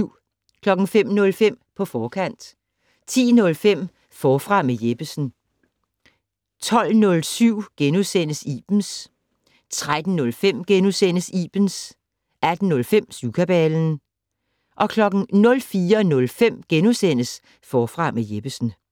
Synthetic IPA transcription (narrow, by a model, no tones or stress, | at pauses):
ʊ̰ | kʰlɒ̽ɡ̥ŋ̩fem̰nɔ̽lfem̰pʰɒ̽fɒːkʰæn̰d̥ | t͡sʰḭːnɔ̽lfem̰ | fɒːfʁɑ̈mejeb̥əsn̩ | t͡sʰɒ̽l̰nɔ̽lsyʊ̰ɡ̥enusen̰əsiːb̥n̩s | t͡sʰʁad̥n̩ːɔ̽lfem̰ɡ̥enusen̰əsiːb̥n̩s | ʔæd̥n̩nɔ̽lfem̰sukʰæb̥ɛːln̩ | ʔɒ̽kʰlɒ̽ɡ̥n̩nɔ̽lfiːɐnɔ̽lfem̰ɡ̥enusen̰əs | fɒːfʁɑ̈mejeb̥əsn̩